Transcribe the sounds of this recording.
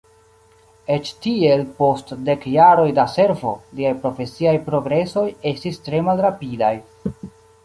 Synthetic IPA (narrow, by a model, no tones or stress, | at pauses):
e̞t͡ʃtie̞lpo̞stde̞kjaɾo̞jdase̞ɾvo̞̰liajpɾo̞fe̞siajpɾo̞ɡɾe̞so̞je̞stistɾe̞malɾapidaj